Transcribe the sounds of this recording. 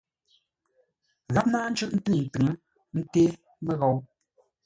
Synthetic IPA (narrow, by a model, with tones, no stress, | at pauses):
ɣa˦p̚naː˦n̩˦t͡ʃʉ˦ʔn̩˦tɨ˦ŋ˨n̩˨tɨ˨ŋə˦ | n̩˦teː˦ | mə˦ɣɔ˨˦w